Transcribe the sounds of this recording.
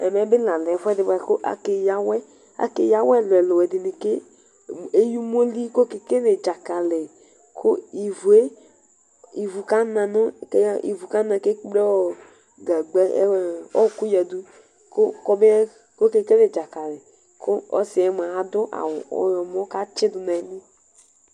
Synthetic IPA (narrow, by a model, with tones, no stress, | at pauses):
ɛ˨mɛ˨˦bɪ˦lã˨lɛ˨fɛ˦dɪ˨˦ba˨ko˦ʔa̰˨ke˨ja˦wɛ˦ | a̰˦ke˦ja˦wɛ˦˨lʊ˨ɛ˨lo˨wɛ˨dɪ˨nɪ˨ke˦ | e˦ju˦m˦o˦li˦ko˦ke˨ke˦le˨d͡ʒa˨ka˨le˨ | kʰʊ˦i˨vu˨e˦ | i˨vu˨ka˦nã˨nʊ˦ke˦ḭ˨vu˨ka˦nã˨ke˦be˦ɔ˦ | ɡa˨ɡ͡bɛ˦ɔ˦˨ku˦jɛ˨du˦ | ko˦kɔ˦be˦ | ko˦ke˦ke˦le˨d͡ʒa˨ka˨lɛ˨ | kʰʊ˦ɔ̰˦sɪ˨ɛ˨˦m˨a˨a˨dʊ˦ʔa̰˨wɔ̰˨jɔ˨mɔ˦ka˦t͡ʃɪ˦dʊ˨na˨˦nɪ˦